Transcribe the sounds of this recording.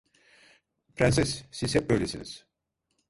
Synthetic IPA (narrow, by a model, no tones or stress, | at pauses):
pʰɾænsɛssiz̥hɛp̚bøjlesḭnḭz̥